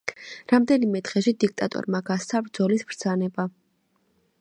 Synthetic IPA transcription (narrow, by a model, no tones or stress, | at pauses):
ɾamd̪ɛnimɛt̪ʁɛʃid̪ik̚ʰt̪ʼat̪ʼɔ̰ɾmaɡast̪sʰabɾd̪zɔlisbɾd̪z̥anɛba